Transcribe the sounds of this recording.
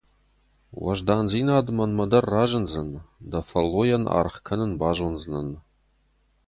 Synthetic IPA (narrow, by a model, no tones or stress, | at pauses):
wɐ̰ʒd̪aːnziːnaːd̪mɐnmɐd̪ɐrːaːʒɨnzɨnd̪ɐfɐlːojɐnʔa̰ɾχkʰɐnɨnbaːʒonznən